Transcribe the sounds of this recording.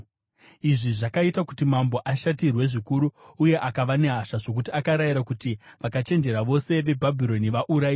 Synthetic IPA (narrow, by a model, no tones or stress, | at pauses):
iʐiʐakaitakutimambo̞ʔaʃatirwe̞ʐikuɾuuje̞ʔakaʋane̞ɦaʃaʐo̞k̬utiakaɾaiɾakutiʋakat͡ʃe̞nd͡ʒe̞ɾaʋo̞se̞ʋe̞bʱabʱiɾo̞niʋaʔuɾaiː